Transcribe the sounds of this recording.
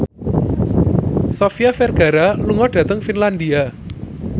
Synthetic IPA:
sɔfijafɛrɡ̥a̤ɾaluŋɔɖ̥ä̤t̪əŋfinland̪ia

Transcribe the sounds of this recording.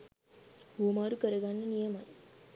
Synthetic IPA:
uɐmaːɾukəɾəɡanːɐnijɐmɐj

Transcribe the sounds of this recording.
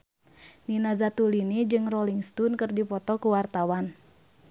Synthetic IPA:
ninazat̪ulinid͡ʒɨŋrɔliŋst̪unkɨrdipɔt̪ɔkuwart̪awan

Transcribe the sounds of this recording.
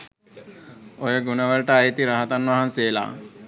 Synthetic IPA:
ojəɡunəʋəlʈəajet̪iɾaɦat̪anʋaɦanseːla̰ː

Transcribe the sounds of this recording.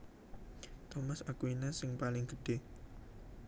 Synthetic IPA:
t̪omasakwinasɪŋpalɪŋɡəɖ̥e

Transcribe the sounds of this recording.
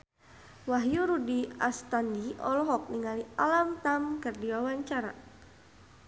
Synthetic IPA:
waɦjuɾudia̰st̪andiʔɔ̰lɔɦɔk̚niŋalialamt̪amkɨrdiwawaɲt͡ʃaɾa̰

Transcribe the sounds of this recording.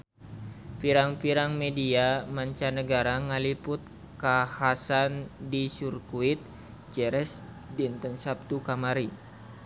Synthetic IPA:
piɾaŋpiɾaŋmɛdiamaɲt͡ʃanəɡaɾaŋalipʊt̪̚ | kahasandisurkuit̪̚ | d͡ʒɛɾɛs | dint̪ənsap̚t̪ukamaɾi

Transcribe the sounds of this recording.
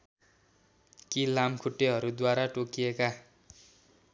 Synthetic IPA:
kilamkʰuʈːeɦʌɾud̪waɾaʈokijeka

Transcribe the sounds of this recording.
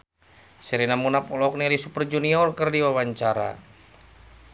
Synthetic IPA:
siɾinamunapɔlɔk̚nialisupərd͡ʒuniɔrkərdiwawaɲt͡ʃaɾa̰

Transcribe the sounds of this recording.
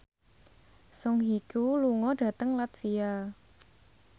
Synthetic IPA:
sɔŋɦikuluŋɔɖ̥ä̤t̪əŋlat̪fia

